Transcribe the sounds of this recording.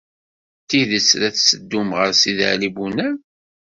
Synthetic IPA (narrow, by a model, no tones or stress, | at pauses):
t̪ːiðəsɾæθsəd̪ːumʁəɾsiðə̰ʕlibunæn